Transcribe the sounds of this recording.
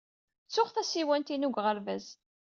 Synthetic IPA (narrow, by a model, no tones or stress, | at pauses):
t͡sːʊχθæsiwænt̪inuɡʁəɾvæz